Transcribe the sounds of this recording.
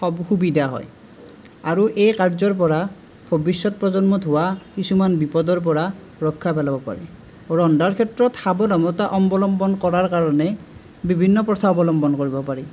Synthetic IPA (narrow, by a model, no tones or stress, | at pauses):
ɔxubidaɦɔ̰j | aɹuʔejkaɹzɔɹp̬ɔɹa | b̥ʱobisːɔt̚pɹɔzɔnmɔdʱʊwakisumanbipɔdɔɹp̬ɔɹa | ɹɔkʰːapɛlabɔpa̰ɹɛ̰ | ɹɔndaɹkʰɛtɹɔtxabɔnɔmɔtaʔɔmbɔlɔmbɔnkɔɹaɹkaɹɔnɛ | bibʱinːɔpɹɔtʰabɔlɔmbɔnkoɹibɔpaɹɛ